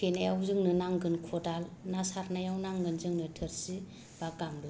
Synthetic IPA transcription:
kʰenajawzɯŋnɯnaŋɡɯnkʰɔdalnasaɾnajawnaŋɡɯnzɯŋnɯtʰɯɾsi | b̥aɡamba

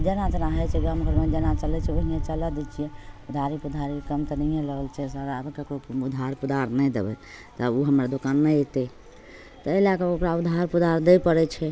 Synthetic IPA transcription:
d͡ʒenat͡ʃənaɦɛt͡ʃʰɛɡamkəɾmed͡ʒenat͡ʃəlɛt͡ʃʰɛoɦiet͡ʃələd̪ɛt͡ʃʰijɛud̪ʱaɾipud̪ʱaɾikəmt̪ənəẽləɡəlt͡ʃʰɛsəɾəbkekɾoud̪ʱaɾpud̪ʱaɾnɛd̪ḛbɛ̰ | t̪əuɦəmɾad̪okanːɛjt̪ɛ | t̪ɔelakeukɾaud̪ʱaɾpud̪aɾd̪ɛpəɾɛt͡ʃʰɛ

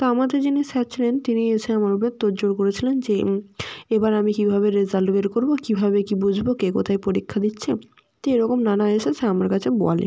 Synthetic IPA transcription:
t̪oamad̪eɾd͡ʑinisatt͡ɕʰilent̪inieʃeamaɾupeɾt̪oɾd͡ʑoɾkoɾet͡ɕʰilend͡ʑe | ebaɾamikibʱaβeɾezalʈbeɾkoɾbokibʱabekibud͡ʑʱbokekot̪ʰaepoɾikʰːad̪itːɕʰe | t̪eɾɔkomnanaeʃeseamaɾkat͡ɕʰebɔ̰a̰lḭ

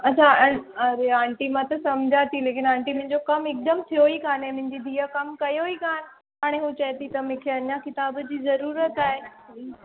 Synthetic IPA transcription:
ɐt͡ɕʰaɐɾeãːɳʈimãt̪ɐsɐmd͡ʑʱaːt̪ʰileːk̬ɪnãːɳʈimʊ̃ɦɪ̃ɲd͡ʑokɐmɪk̚d̪əmt̪ʰijoikaːnẽmʊ̃ɦɪ̃ɲd͡ʑid̪ʱiːəkɐmkɐjoikaːn | ɦaːɽ̃eɦũːt͡ɕɐɦt̪ʰit̪ɐmʊ̃ːkʰeɐɲakɪt̪aːbd͡ʑiːzɐɾuːɾət̪aːɦe

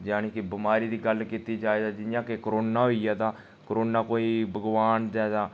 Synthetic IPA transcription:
d͡ʒaːneːkɪbɪmaːɾiːd̪iːɡəlkiːt̪iːd͡ʒaːeːd̪aːd͡ʒɪnjãːkekəɾoːnaːɦoːijaːt̪ãː | kəɾoːnaːkoːiːbəɡʋaːnd͡ʒɛːd̪ãː

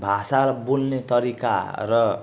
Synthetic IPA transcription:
bʱasaɾʌbunːet̪ʌɾika̰rʌ

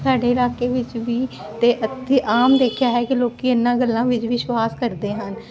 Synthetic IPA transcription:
saːɖeːɪlaːkeːʋɪt͡ʃʋiː | t̪eːʔət̪iːʔaːmd̪eːkʰjaːɦɛːkiloːkiːɪnːãːɡəlːãːʋɪt͡ʃʋiʃwaːskəɾd̪eːɦən

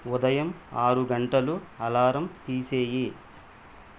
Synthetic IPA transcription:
ud̪ɐjɐmaːɾuɡɐɳʈɐluɐlaːɾɐmt̪iːseːji

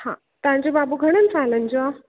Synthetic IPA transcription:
hã̰ | t̪ãɲd͡ʑibabuɡʱəɽ̃ənt͡salənd͡ʑoa

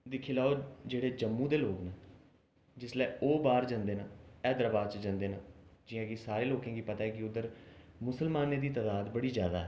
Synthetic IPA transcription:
d̪ɪkʰiːlaːoːd͡ʒeːɽeːd͡ʒəmːũːd̪eːloːknaː | d͡ʒɪslɛːoːbaːɾd͡ʒãnd̪eːnãːɛːd̪əɾəbaːɾt͡ʃd͡ʒãnd̪eːnãːd͡ʒɪjãːɡisaːɾeːloːkãːɡiːpət̪aːɛːkɪʊd̪əɾmʊsəlmaːneːd̪iːt̪aːd̪aːd̪bəɽiːzjaːd̪aːɦɛː

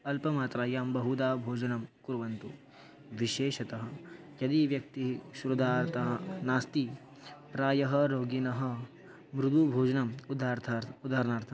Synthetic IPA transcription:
ɐlpɐmaːt̪ɾaːjaːmbɐɦud̪aːbʱoːd͡ʒɐnɐmkuɾʋɐnt̪u | ʋiʃeːʃɐt̪ɐɦɐ̆kjɐd̪iʋjɐk̚t̪iɦiʃɾud̪ʱaːt̪ɐɦɐnaːst̪i | pɾaːjɐɦɐɾoːɡinɐɦɐ̆ | mɾud̪ubʱoːd͡ʒɐnɐmud̪aːɾt̪ʰːud̪aːɾɐnaːɾt̪ʰɐ

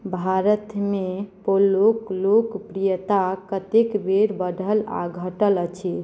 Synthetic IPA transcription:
bʱaɾət̪mepolːoklokpɾijət̪akət̪ekbeɾbəɖʱəla̰ɡʱəʈələt͡ʃʰi

